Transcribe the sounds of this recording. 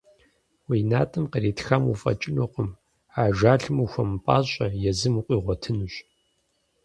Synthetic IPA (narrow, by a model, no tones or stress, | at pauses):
wiːnaːtʰʼɨmqəɾiːtxamṵfʼɐ̰t͡ʃʼɪnoqʷʊm | aːʒaːɬɨmuxʷɐmpʼa̰ːɕʼɐjɛzɨmuqʷʼiːʁʷɔtʰɨnuɕʼ